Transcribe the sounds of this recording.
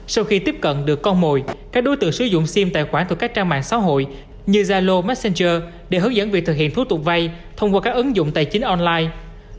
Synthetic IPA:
sa˧wxi˧t̪i˦˥p̚kə̰˧˨nɗɨ˨˩əkːɔ˧nmo˨˩jkaː˦˥k̚ɗo˨˦jt̪ɨ̰˧˨sɨ˨˦zʊ̰˧˨ŋ͡msi˧mt̪a̰ː˧˨jxwaː˧˩nt̪ʰə˨˩ka˦˥k̚t͡ɕaː˧ŋma̰ː˧˨nsa̰ː˧˥ɦo̰˧˨j | ɲɨ˧zaː˧lo˧ma˦˥t̚sɛ˧nt͡ɕəː˧ | ɗe˧˩ɦəː˨˦˥ŋ̚zə̰˧˥nvət̪ʰɨ˨k̚hḭ˧˨ənt̪u˨˦t̪ʊ˨˩k͡p̚va˧j | t̪ʰə˧wŋ͡mkwaː˧kaː˦˥k̚ʔɨ˨˦ŋzʊ̰˧˨ŋ͡mt̪a̰ː˨˩jt͡ɕï˨˦ŋ̟ʔɔ˧nlaː˧j

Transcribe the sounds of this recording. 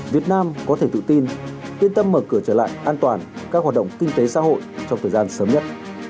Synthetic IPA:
vi˨˩ət̚naː˧mkɔ˨˦t̪ʰe˧˩t̪ɨ̰˧˨t̪i˧nt̪wi˧ənt̪ə˧mːəː˧˩kɨ˧˩ət͡ɕəː˧˩la̰ː˧˨jʔaː˧nt̪waː˨˩nkaː˦˥k̚hwaː˨˩ɗə̰˧˨wŋ͡mkï˧ŋ̟t̪e˨˦sa̰ː˧˥ɦo̰˧˨jt͡ɕɔ˧wŋ͡mt̪ʰəː˨˩zaː˧nsəː˨˦mɲə˦˥t̚

